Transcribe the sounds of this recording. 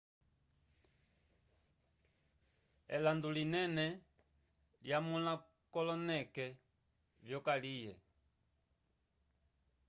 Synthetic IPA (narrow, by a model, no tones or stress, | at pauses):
ɛ̰landulinɛnɛ | ljamuna | kɔlɔnɛkɛ | vjɔkalijɛ̰